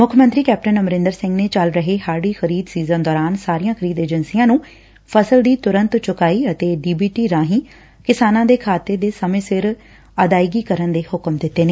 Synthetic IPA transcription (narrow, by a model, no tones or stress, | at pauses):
mʊkʰmənt̪ɾiːkɛːp̚ʈənəmɾɪ̃nd̪əɾsɪ̃ŋɡneːt͡ʃəlɾəɦeːɦaːɾɽiːxəɾiːd̪siːzənd̪ɔːɾaːnsaːɾijãːkʰəɾiːd̪eːd͡ʒənsiːjãːnũː | pʰəsəld̪iːt̪ʊɾə̃nt̪t͡ʃʊkaːiːət̪eːɖiːbiːʈiːɾãːɦĩː | kɪsaːnãːd̪eːkʰaːt̪ːed̪eːsəmẽːsɪɾ | əd̪aːiɡiːkəɾənd̪eːhʊkmd̪ɪt̪ːeːneː